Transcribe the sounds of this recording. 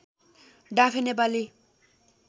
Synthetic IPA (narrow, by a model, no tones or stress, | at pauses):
ɖapʰenep̬ali